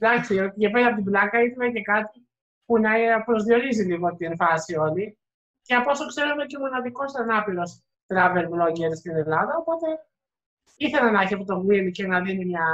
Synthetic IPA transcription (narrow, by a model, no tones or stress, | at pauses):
d̪ɐkstiot̪icepeɾɐpot̪iblɐkɐiθɐnɐce̞kɐt̪i | punɐpɾo̞zðio̞ɾiziliɣoot̪ienfɐsio̞li | ceɐpo̞sokse̞ɾunociomo̞nɐðiko̞sɐnɐpiɾo̞s | t̪ɾɐve̞lvlo̞ɲɟeɾsceðelɐðɐopo̞t̪e̞ | iθe̞lɐnɐçiɐpot̪o̞ɣilicenɐðinimɲɐ